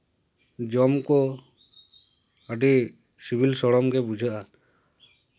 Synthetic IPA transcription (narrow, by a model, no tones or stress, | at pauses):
d͡ʒɔmkɔ | aɖi | sibʱilsɔɽɔmɡɛbud͡ʒʱaʔa